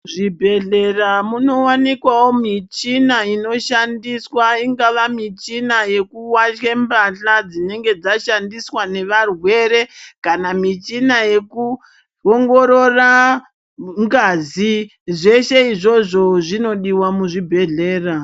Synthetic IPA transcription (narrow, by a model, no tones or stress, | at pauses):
ʐibʱe̞ɮe̞ramuno̞wanikwawomit͡ʃinaino̞ʃandiswaiŋɡaʋamit͡ʃinaje̞kuwaʃembaɬad͡zine̞ŋɡe̞d͡zaʃandiswane̞ʋarwe̞ɾe̞kanamit͡ʃinaje̞ku | oŋɡo̞ɾo̞ra | ŋɡazi | ʐe̞ʃe̞iʐo̞ʐo̞ʐino̞ɗiwamuʐibʱe̞ɮe̞ːra